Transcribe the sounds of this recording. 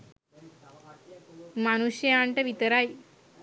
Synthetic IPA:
mañuɕjəaɳʈəʋit̪əɾaj

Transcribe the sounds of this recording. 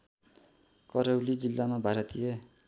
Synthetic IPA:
kʌɾʌwlid͡zilːamabʱaɾʌt̪ije

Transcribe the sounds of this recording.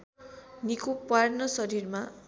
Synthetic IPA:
nikupwarnʌsʌɾiɾma

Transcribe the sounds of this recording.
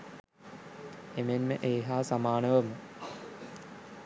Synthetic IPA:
emenməʔeːɦaːsamaːnəʋəmə

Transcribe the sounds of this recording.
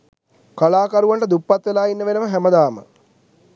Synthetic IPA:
kalaːkaɾuʋaɳʈəd̪upːat̪ʋelaːinːəʋenəməɦɛməd̪aːmə̰

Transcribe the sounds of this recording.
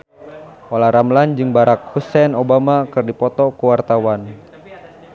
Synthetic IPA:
ʔolaɾamland͡ʒɨŋbaɾak̚husɛnobamakɨrdipɔt̪ɔkuwart̪awan

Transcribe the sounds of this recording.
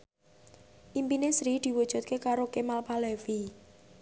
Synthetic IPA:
ʔimpinesɾid̪̥i̤wud̥ʒ̥ṳt̪̚kekaɾokemalpalɛfi

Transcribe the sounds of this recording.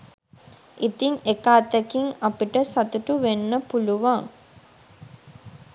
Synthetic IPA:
it̪iŋekaːt̪ekiŋapiʈəsat̪uʈuʋenːəpuluʋaŋ

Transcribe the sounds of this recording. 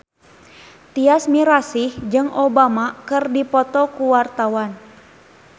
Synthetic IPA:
t̪iasmiɾasihd͡ʒɨŋobamakɨrdipɔt̪ɔkuwart̪awan

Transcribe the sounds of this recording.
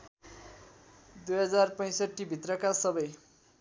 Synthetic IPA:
d̪ujɦʌd͡zarpʌj̃sʌʈːibʱit̪rʌkasʌbʌj

